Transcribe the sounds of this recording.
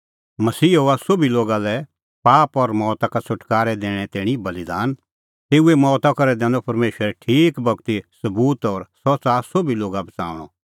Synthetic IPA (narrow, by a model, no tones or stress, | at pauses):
mɐsiːɦoːasʊbiloːɡalɛ | paːpɔɾmɔːt̪akasʊʈkaːɾɛd̪ẽːɽ̃ɛt̪ɪːɽ̃ibɐlid̪aːn | t̪eːuemɔːt̪akɐɾɛd̪ɛ̃ːɔpɐɾmeːʃəɾɛʈʰiːkbʱɐk̚t̪isɐbuːt̪ɔɾsɔsasobiloːɡabɐt͡sa̰ːʊɽ̃ɔ̰